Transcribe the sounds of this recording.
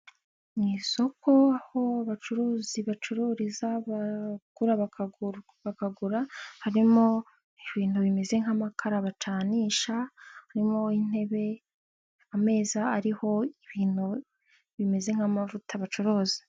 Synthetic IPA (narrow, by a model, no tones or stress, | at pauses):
ŋiːso̞kʰo̞aho̞aβat͡ʃuɾuːziβat͡ʃuɾuːɾizaβaɡ̥uɾaβak | βakaɡuɾahaɾimo̞ | iβiːn̥huβime̞ze̞ŋ̥hamakʰaɾaβat͡ʃaːniːʃahaɾimo̞in̥e̞βe̞ | ame̞ːzaaɾiho̞iβiːn̥hu | βime̞ze̞ŋ̥hamavutaβat͡ʃoɾoːzi̥